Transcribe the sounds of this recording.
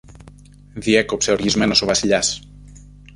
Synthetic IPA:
ðiɛkopseɾizmenosoβasiʎas

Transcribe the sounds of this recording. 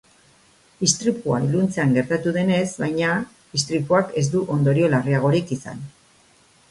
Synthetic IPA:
ist̪ɾipua̰ilunt͡se̞aŋɡe̞ɾt̪at̪uðe̞ne̞zβajɲa | ist̪ɾipuake̞zd̪uʔo̞nd̪o̞ɾio̞lariaɣ̞o̞ɾikisa̰n

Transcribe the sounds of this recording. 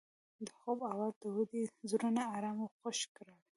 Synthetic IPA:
d̪əxobawalt̪əwud̪izɾunaːɾamoxoʃkɾɑl

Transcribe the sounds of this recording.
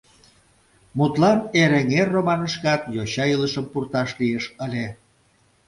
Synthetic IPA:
mut̪lɑneɾeŋerːomɑnəʃkɑt̪joɕɑiləʃəmpurt̪ɑʃliəʃəlʲe

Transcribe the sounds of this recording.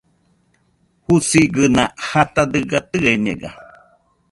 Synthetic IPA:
husiɡɨnãhat̪ad̪ɨɡat̪ɨeɲḛ̃ɡa̰

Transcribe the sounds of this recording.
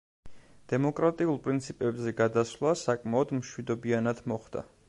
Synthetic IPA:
d̪̥ɛmɔkʼɾat̪ʼiulˠpʼɾint̪sʰipʼɛbzɛɡad̪aslˠasakʼmaɔd̪mʃwid̪ɔbianad̪mɔχd̪̥a̰

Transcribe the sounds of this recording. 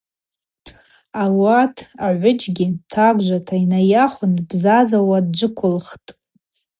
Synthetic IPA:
awatʰaʕʷʊd͡ʒɡʲitʰaɡʷʒʷatʰainajaχʷʊnbzazawadd͡ʒʷɨkʷʰʊlχtʼ

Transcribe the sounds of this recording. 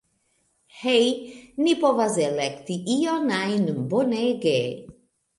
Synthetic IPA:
hejnipɔvazɛlɛkt̪iʔiɔnajnəmboneɡe

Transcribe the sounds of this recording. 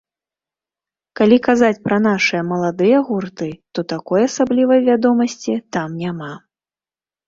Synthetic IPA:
kalʲikazat͡sʲpɾɐnaʂɨjɛɐmɐlˠad̪ɨjɐɣurt̪ɨt̪ɔt̪akɔjasablʲivɐjvʲad̪ɔmɐsʲt͡sʲit̪amnʲama

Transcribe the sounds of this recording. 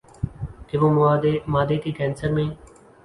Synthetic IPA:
k̪ɪʋoːmʊaːd̪eːmaːd̪eːkiːkɛ̃ːnsəɾmẽː

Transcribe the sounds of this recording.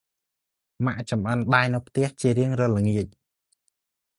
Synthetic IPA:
maʔt͡ɕɑmʔənɗaːjnɨwpʰt̪ɛ̆əht͡ɕiəɾiəŋrɔləŋiəc̚

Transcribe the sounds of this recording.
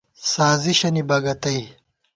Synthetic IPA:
saːziɕɐnibɐɡɐt̪ɐj

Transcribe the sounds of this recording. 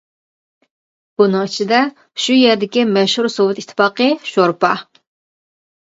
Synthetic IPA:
b̥unɨŋt͡ʃʰid̪ɛ | ʃujɛɾd̪ɪkʲimɛʃhuɾsowɨt̪it̪ʰːɨ̥fɑːqəʃoɾpɑ

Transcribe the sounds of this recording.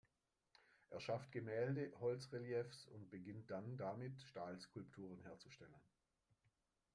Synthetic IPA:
ʔeːɐʃaftɡ̥əmɛːldəhɔlt͡sʁeljɛfsʊnt̚b̥əɡɪnt̚d̥andamɪtʃtaːlskʰʊlptʰuːʁ̞ənheːɐt͡suʃtɛlən

